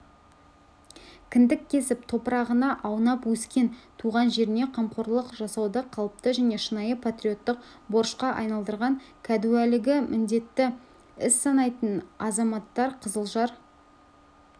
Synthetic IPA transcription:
kʲʰɪnd̪ɪkʲʰːe̞sɪpt̪ʰo̞pəɾɑʁənɑʔɑwnɑpwɵskʲe̞nt̪ʰuʁɑnʒe̞ɾɪne̞qʰɑmqoɾlˠəqʒɑsɑwd̪əqʰːɑlˠəp̚t̪əʒæne̞ʃənɑjəpʰat̪ɾʲijo̞t̪ːəq | bo̞ɾʃqɑʔɑ̰jnɑlˠd̪əɾʁɑŋkʲʰæd̪uælɪɡʲɪmʔɪnd̪e̞t̪ːɪ | ɪsːɑnɑjt̪ənɑzɑmɑt̪ːɑɾqʰəzəlˠʒɑɾ

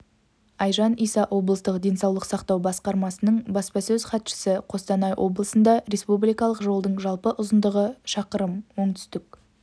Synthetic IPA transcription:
ɑjʒɑnijsɑʔwʔo̞blˠəst̪əqd̪e̞nsɑwlˠəqsɑqt̪ɑwbɑsqɑɾmɑsənəɴbɑspɑsɵzχɑt̪ʃə̥səqʰo̞st̪ɑnɑjʔo̞̰blˠəsənd̪ɑɾe̞spublijkɑlˠəqʒo̞lˠd̪əɴʒɑlˠpəʔʊzənd̪əʁəʃɑqəɾəmwo̞ɴt̪ʰʏ̥st̪ɪk̚

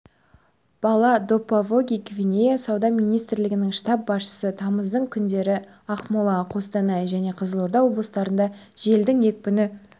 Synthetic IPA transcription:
b̥ɑlˠɑd̪o̞pːavoɡʲijkvʲinʲejasɑwd̪ɑmijnijst̪ɾlɪɡʲɪnɪŋʃt̪ɑp̚bɑsʃə̥sət̪ʰɑməzd̪əɴkʲʰʏnd̪e̞ɾɪ | ɑχmulˠɑqʰo̞st̪ɑnɑjʒæne̞qʰəzəlˠoɾd̪ɑwo̞blˠəst̪ɑɾənd̪ɑ | ʒe̞ld̪ɪŋje̞k̚ʲpʏnɪ

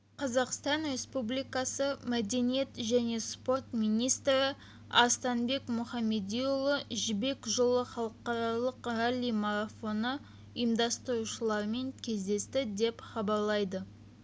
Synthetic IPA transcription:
qʰɑzɑqst̪ɑnɾe̞spublijkɑsəmæd̪e̞nije̞t̪ʒæne̞spo̞rt̪mijnijst̪ɾɪ | ɑ̰st̪ɑnbe̞kmʊχɑmːe̞d̪ijulˠəʒɪbe̞kʒolˠəχɑlˠəqɑɾɑlˠəqɾalʲːijmaɾafo̞nə | ʊjəmd̪ɑst̪əɾuʃəlˠɑɾme̞ŋkʲʰe̞zd̪e̞st̪ɪd̪e̞pχɑbɑɾlˠɑjd̪ə

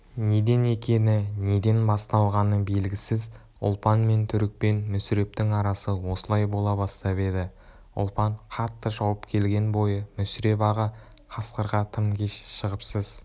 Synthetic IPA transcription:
ne̞d̪e̞ne̞kʲe̞nɪne̞d̪e̞nbɑst̪ɑlˠʁɑnəbe̞lɡʲɪsɪzʊ̰lˠpɑnme̞nt̪ʰʏɾɪk̚pe̞nmʏsɪɾe̞p̚t̪ɪŋɑɾɑsəwo̞səlˠɑjbo̞lˠɑbɑst̪ɑbe̞d̪ɪ | ʊ̰lˠpɑɴqʰɑt̪ːəʒɑwəpkʲʰe̞lɡʲe̞nbo̞jəmʏsɾe̞bɑʁəqʰɑsqəɾʁɑt̪ʰəmkʲʰe̞ʃʃəʁəpsəz

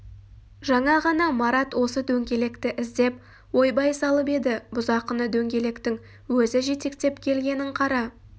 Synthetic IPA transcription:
ʒɑɴɑʁɑnɑmɑɾɑt̪wo̞səd̪ɵŋɡʲe̞le̞kt̪ɪʔɪzd̪e̞p̚ | wo̞jbɑjsɑlˠəpe̞d̪ɪbʊzɑqənəd̪ɵŋɡʲe̞le̞kt̪ɪŋ | wɵzɪʒe̞t̪e̞kt̪e̞pkʲʰe̞lɡʲe̞nɪɴqʰɑɾɑ

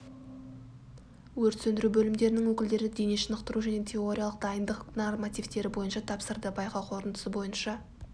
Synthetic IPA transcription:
wɵɾt̪sɵnd̪ɪɾubɵlɪmd̪e̞ɾɪnɪŋwɵkʲɪld̪e̞ɾɪd̪e̞jneʃənəqt̪əɾuʒæne̞t̪ʲʰe̞o̞ɾʲijalˠəqd̪ɑjənd̪əqnormat̪ijvt̪e̞ɾɪbo̞jənʃɑt̪ʰɑpsəɾd̪əbɑjqɑwqʰo̞ɾənd̪ə̥səbo̞jənʃɑ

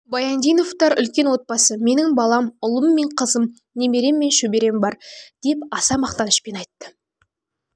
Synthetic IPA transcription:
bɑjɑnd̪ijno̞ft̪ɑɾʏ̰lkʲe̞nwo̞t̪̚pɑsəme̞nɪŋbɑlˠɑmʊlˠəmːe̞ɴqʰəzəm | neme̞ɾe̞mːe̞nʃɵbe̞ɾe̞mbɑɾd̪̥e̞pɑsɑmɑqt̪ɑnəʃpe̞nɑjt̪ːə̥

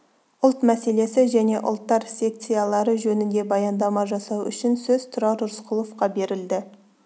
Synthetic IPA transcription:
ʊlˠt̪mæse̞le̞sɪʒæne̞ʔʊ̰lˠt̪ːɑɾsʲe̞k̚t̪sijɑlˠɑɾəʒɵnɪnd̪e̞bɑjɑnd̪ɑmɑʒɑsɑwʏ̰ʃɪnsɵzt̪ʰʊɾɑɾʊɾsqʰʊlˠofqɑbe̞ɾɪld̪ɪ

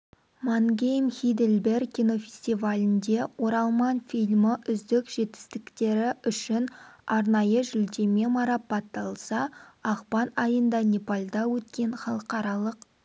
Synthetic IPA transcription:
maŋɡʲejmxʲijd̪elʲbe̞rkʲːino̞fʲe̞sʲt̪ivalʲɪnd̪e̞wo̞ɾɑlˠmɑnfijlʲmɪʔʏzd̪ɪkʒ̥e̞t̪ɪ̥st̪ɪkt̪e̞ɾɪʏʃɪnɑɾnɑjəʒʏld̪e̞me̞mɑɾɑpːɑt̪ːɑlˠsɑɑqpɑnɑjənd̪ɑnʲepalʲd̪ɑwɵt̪kʲe̞nχɑlˠəqɑɾɑlˠəq

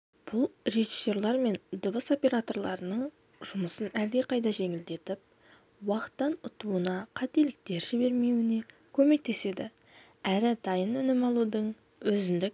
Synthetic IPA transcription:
b̥ʊlˠɾe̞ʒi̥sːo̞ɾlˠɑɾme̞nd̪əbəso̞pʲe̞ɾat̪o̞rlˠɑɾənəɴ | ʒ̥ʊməsənæɾd̪e̞qʰɑjd̪ɑʒe̞ŋɪld̪e̞t̪ɪp̚ | wɑqə̥t̪ːɑnʊt̪uənɑqʰɑt̪e̞lɪk̚t̪e̞ɾʒɪbe̞ɾme̞wɪne̞ | kʲʰɵme̞k̚t̪e̞se̞d̪ɪ̰ | æɾɪd̪ɑjənʏnɪmɑlˠud̪əɴ | wɵzɪnd̪ɪk

